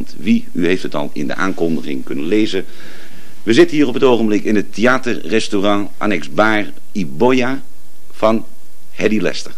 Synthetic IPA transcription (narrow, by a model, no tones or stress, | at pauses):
ntʋi | yɦejftɦətɑ̰lˠɪ̰ndə̰ʔa̰ːŋkɔndəχɪŋkɵnənlejzə | ʋəzɪtənɦiːɾɔpɦətowχəmblɪkɪnətʰeaːtərrɛstorɑ̃ | ʔa̰nɛkzbaːr | iboja | fɑn | hɛdilɛ̰stər